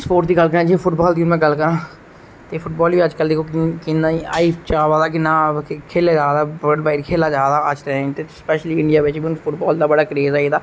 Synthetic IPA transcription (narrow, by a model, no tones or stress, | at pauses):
spoːʈd̪iːɡəlkəɾãːd͡ʒipʰʊʈbɔːld̪iːʊnmɛ̃ɡəlkəɾãː | t̪eːpʰʊʈbɔːlʋiːəd͡ʒkəld̪eːkʰoːkkɪnːãːiːaːipʰt͡ʃaːʋaːd̪aːk̬ɪnːaːkʰeːlaːd͡ʒaːd̪aːbɖbaːiɾkʰeːlaːd͡ʒaːd̪aːət͡ʃd̪et̪eːspɛːʃliːɪɳɖijaːʋɪt͡ʃʋiːʊnpʰʊʈbɔːld̪aːbəɽaːkɾeːzaːid̪aː